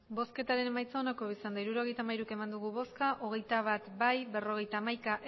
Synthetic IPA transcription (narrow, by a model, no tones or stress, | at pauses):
bo̞ske̞t̪aɾe̞nemajt͡saonakoβisand̪aiɾuɾo̞ɣe̞jt̪amajɾuke̞mand̪uɣuβo̞skaʔo̞ɣ̞e̞jt̪aβ̞at̪bajbe̞ro̞ɣ̞e̞jt̪aːmajkaʔ